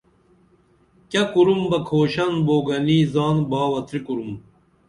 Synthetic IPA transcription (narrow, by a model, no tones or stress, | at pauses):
kɐkuɾumbɐkʰoːɕɐnboːɡɐniːzaːnbaːwɐt̪ʰɾikuɾum